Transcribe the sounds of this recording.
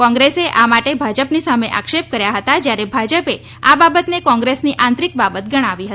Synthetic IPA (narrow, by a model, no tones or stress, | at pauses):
kɔ̃ŋɡɾeseʔamaʈebʱad͡ʒəpnisameʔa̰kʃep̚kəɾjaɦət̪ad͡ʒjaɾebʱad͡ʒəpe | ababət̪nekɔ̃ŋɡɾesniʔãnt̪ɾik̚babət̪̚ɡəɽ̃aʋiɦə